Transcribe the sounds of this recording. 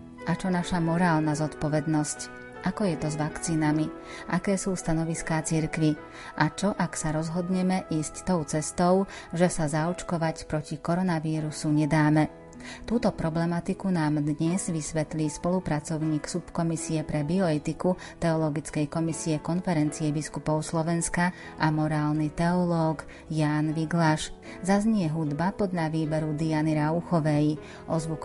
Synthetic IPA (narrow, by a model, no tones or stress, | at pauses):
ʔat͡ʃɔnaʃamɔɾaːlnazɔt̪pɔʋɛd̪nɔsc | ʔakɔjɛt̪ɔzʋakt͡siːnami | ʔakɛːsuːst̪anɔʋiskaːt͡siɾkʋi | ʔat͡ʃɔʔaksaɾɔzɦɔd̪ɲɛmɛʔiːsct̪ɔʊt͡sɛst̪ɔʊ | ʒɛsazaɔt͡ʃkɔʋacpɾɔcikɔɾɔnaʋiːɾusuɲɛd̪aːmɛ | t̪uːt̪ɔpɾɔblɛmat̪ikunaːmd̪ɲɛzʋisʋɛt̪liːspɔlupɾat͡sɔʊɲiːksupkɔmisiɛpɾɛbiɔɛt̪iku | t̪ɛɔlɔɡit͡skɛjkɔmisiɛkɔnfɛɾɛnt͡siɛbiskupɔʊslɔʋɛnska | ʔamɔɾaːlnit̪ɛɔlɔːɡ | jaːnʋiɡlaʃ | zazɲɪɛɦud̪bapɔd̪ʎaʋiːbɛɾud̪ianiɾauxɔʋɛj | ʔɔzʋuk